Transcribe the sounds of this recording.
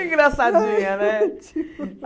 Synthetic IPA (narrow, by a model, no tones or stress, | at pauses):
ĩɡɾasad͡ʒĩɲɐnɛ